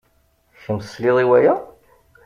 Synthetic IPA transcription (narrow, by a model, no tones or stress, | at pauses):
çəmslɪðˤiwæjæ